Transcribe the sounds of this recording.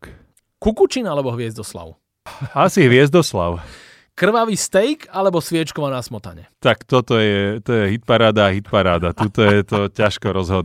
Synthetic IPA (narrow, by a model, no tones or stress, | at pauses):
kukut͡ʃinalɛbɔɦʋɪɛzd̪ɔsla̰ʊ | asiɦʋɪɛzd̪ɔsla̰ʊ | kr̩ʋaʋiːst̪ɛjkalɛbɔsʋɪɛt͡ʃkɔʋanasmɔt̪a̰ɲɛ̰t̪akt̪ɔt̪ɔjɛt̪ɔjɛɦit̪̚paɾaːd̪aːɦit̪paɾaːd̪at̪ut̪ɔjɛt̪ɔcaʃkɔɾɔzɦɔd̪